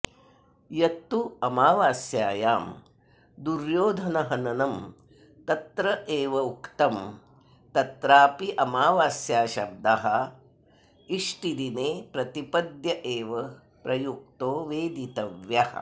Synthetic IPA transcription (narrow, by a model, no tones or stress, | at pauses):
jɐt̪ːuɐmaːʋaːsjaːjaːm | d̪uɾjoːd̪ʱɐnɐɦɐnɐnɐm | t̪ɐt̪ɾɐʔeːʋɐukt̪ɐm | t̪ɐt̪ɾaːpiʔɐmaːʋaːsjaːʃɐb̚d̪ɐɦɐ̆ | iʂʈid̪ineːpɾɐt̪ipɐd̪jɐʔeːʋɐ | pɾɐjuk̚t̪oːʋeːd̪it̪ɐʋjɐhɐ̰̆